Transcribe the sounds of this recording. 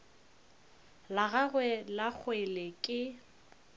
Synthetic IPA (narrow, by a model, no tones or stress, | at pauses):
laɣaɣwɛlak͡xʰwelekʼɪ